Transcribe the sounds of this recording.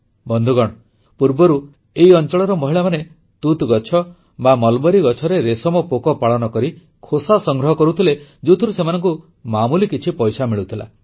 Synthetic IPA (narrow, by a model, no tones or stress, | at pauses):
bɔnd̪ʱuɡɔɽ̃ɔ | puɾbɔɾu | eɦiɔnt͡ʃɔɭɔɾɔmɔɦiɭamane | t̪ut̪ɡɔt͡ʃʰɔ | bamɔlbɔɾiɡɔt͡ʃʰɔɾeɾesɔmɔpokɔpaɭɔnɔkɔɾi | kʰosasɔŋɡɾɔɦɔkɔɾut̪ʰiled͡ʒut̪ʰɔɾusemanɔŋku | mamulikit͡ʃʰipɔjsamiɭut̪ʰila̰